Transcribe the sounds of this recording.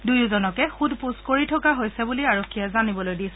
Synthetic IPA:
dujʊzɔnɔkɛxudpuskoɹitʰɔkaɦojsɛbuliaɹokʰːijɛzanibɔlojdisɛ

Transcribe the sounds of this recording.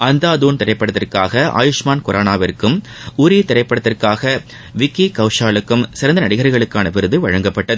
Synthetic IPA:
ɐnd̪aːd̪uːnt̪ɪɾɐɪpːɐɽɐt̪ːɪrkaːɣɐʔa̰ːjʊʂmaːnkʊɾʔaːnaːʋɐrkːɯm | ʊɾit̪ɪɾɐɪpːɐɽɐt̪ːɪrkaːɣɐ | ʋɪkːikɐʊʂaːɭɯkːɯmsɪɾɐnd̪ɐnɐɽɪɣɐɾɐɣɐɭɯkːaːnɐʋɪɾɯðɯʋɐɻɐŋɡɐpːɐʈːɐðɯ

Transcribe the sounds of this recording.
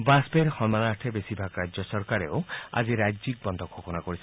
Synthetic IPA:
baspeɾhɔnmanaɾʈʰebesibʱaɡɾad͡ʒɔsɔɾkaɾeoa̰d͡ʒiɾajd͡ʒik̚bɔnd̪ʱɔɡʰʱokɔnakɔɾisʰ

